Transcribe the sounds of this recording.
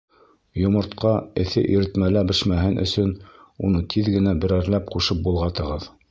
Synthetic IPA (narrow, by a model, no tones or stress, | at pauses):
jŏmɤ̆ɾt̪qɑɘ̆θɘ̰ʔiɾɘ̆t̪mælæbɘ̆ʃmæɦɘnʔɵ̰̆sɵnunɤt̪ʰiðɡɘ̆næbɘ̆ɾæɾlæp̚quʃɤp̚bulˠʁɑt̪ɤ̆ʁɤð